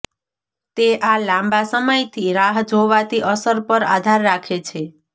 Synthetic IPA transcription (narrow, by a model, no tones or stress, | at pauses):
t̪eʔalãmbasəməjt̪ʰiɾaɦd͡ʒʱoʋat̪ʰiʔəsəɾpəɾa̰d̪ʱaɾːakʰet͡ʃʰe